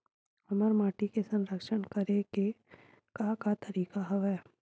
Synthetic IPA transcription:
ɐməɾmaːʈikesɐ̃nɾəkʃənkɐɾeɡe | kakat̪ɐɾiːkaɦɐʋɛː

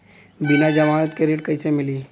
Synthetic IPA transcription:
binad͡ʑəmanət̪keɾiʈkəjsemiliː

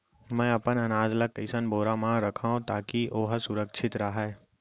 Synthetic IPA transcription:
mɛ̃ːɐpənɐnaːd͡ʒləkːəɪsənboːɾamãɾɐkʰaːõt̪aːkiʔoːɦsʊɾəkʃʰɪt̪ɾɐɦa

